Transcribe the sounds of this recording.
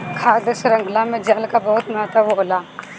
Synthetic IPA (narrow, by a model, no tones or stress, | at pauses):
kʰaːd̪əsɾə̃ŋɡʱlãmẽd͡ʒaːlkabɔʊt̪mat̪aʋoɦlaː